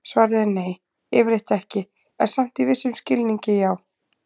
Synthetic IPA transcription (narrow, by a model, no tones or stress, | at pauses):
svaːɾðɪneːj | ɪvɾeht̪ɛhcɪ | ɛ̥sam̥t̪ivɪsːʏmscɪlniɲcɪjaːw